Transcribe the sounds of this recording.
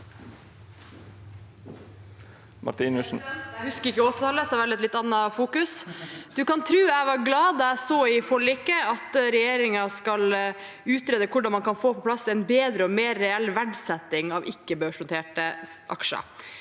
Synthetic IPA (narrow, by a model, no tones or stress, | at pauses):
mɑ̰ʈiːnʉsn̩hʉskəɾɪkːəɔt̪ːɪt̪ʰɑləsæɾʋɑlɛt̪lɪt̪ːɑnːɑfuːkʉsd̪̥ʉkɑnt̪ʰɾʉːæɪʋɑɾɡlɑːd̪ɑæsoːɪfɔɭɪkːəɑt̪ɾɛjeːɾɪŋɑskɑl | ʉːt̪ɾeːd̪əkʰʊɖɑnmɑnkʰɑnfoːpʰɔpʰlɑsɛnbeːd̪ɾəɔmeːɾːɛɛlʋæɖsɛt̪ːɪŋɑːʋʔɪkːəbøːʂɔnt̪ʰeːʈəʔɑ̰kʂə̰